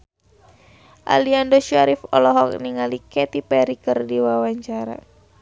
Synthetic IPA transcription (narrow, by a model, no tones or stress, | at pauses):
ʔa̰liandɔʃaɾifɔ̰lɔɦɔk̚niŋalikɛt̪ipɛɾikɨrdiwawaɲt͡ʃaɾa̰